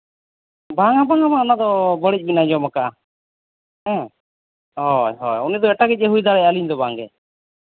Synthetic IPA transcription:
baŋabaŋabanad̪ɔbəɽic̚ˀbinad͡ʒɔmakaʔa | ɛ̃ | ɦɔjɦɔ̰junid̪ɔɛʈaɡɛc̚ˀɛɦujd̪aɾɛjaliɲd̪ɔbaŋɡɛ̰

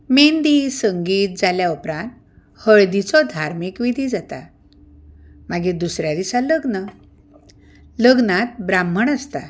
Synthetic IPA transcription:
mend̪isəŋɡiːt̪̚d͡zaljaupɾãnt̪ | həɭd̪it͡sɔd̪ʱaɾmikʋid̪ʱid͡zat̪a̰ | maɡid̪usɾjad̪isãləɡnə | ləɡnat̪̚bɾam̤ːəɳəst̪a

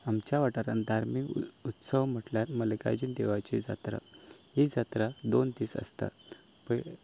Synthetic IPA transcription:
amt͡ɕjaʋaʈaɾand̪ʱaɾmikut̪səʋm̤əʈljat̪mələka̰d͡ʑind̪eʋat͡ɕid͡za̰t̪ɾa̰ɦid͡zat̪ɾad̪ont̪iːsə̰st̪a̰ | pə

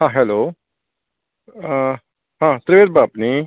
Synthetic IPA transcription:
hãːɦɛloː | ɦãt̪ɾɪʋeːt̪̚baːpni

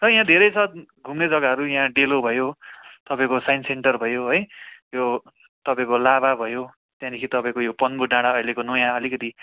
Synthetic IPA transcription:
t̪ʌj̃ãd̪ʱeɾʌjsʰʌt̪̚ɡʱumned͡zʌɡaɦʌɾujãɖelobʱʌjot̪ʌpãĩkosajnseɳʈʌrbʱʌjoɦʌjjo | t̪ʌpaĩkolaβabʱʌjo | t̪jãd̪ikʰit̪ʌpãĩkojopʌnbuʈːãɽaʌjlekonojãʌlikʌt̪i

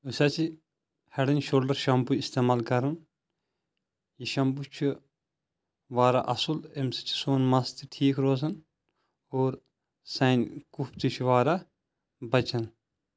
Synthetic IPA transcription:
usaːt͡ʃʰi | hɐɽɐnʲʃolɖɐɾʃɐmbuist̪eːmaːlkɐɾun | jiʃɐmbut͡ʃʰu | ʋaːɾaʔɐsulemsi̥t͡ʃʰi̥soːnmɐst̪ʰiʈʰiːkʰɾoːzɐn | oːɾ | sɐːnkupt̪ʰit͡ʃʰuʋaːɾa | bɐt͡ʃɐn

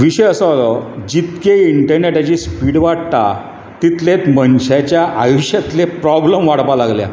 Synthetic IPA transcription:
ʋiɕəjəsəalɔd͡ʑit̪keiɳʈəɾneʈat͡ɕiːspiɽʋaɽt̪a̰ | t̪it̪let̪mənɕat͡ɕjaʔajoɕat̪lepɾɔbləmʋaɽpalaɡlja̰

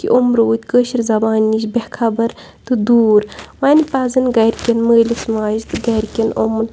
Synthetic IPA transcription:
kḭʔomɾoːt̪ʲkəːʃiɾzɐbaːniʃbekʰɐbɐɾ | t̪ɨd̪uːɾʋɐnʲpɐzɨnɡɐɾʲkʲɐnməːlʲismaːzt̪ɨɡɐɾʲkʲɐnʔomɨn

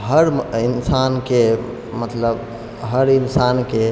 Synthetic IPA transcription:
ɦəɾinsanke | mət̪ləb | ɦəɾinsanke

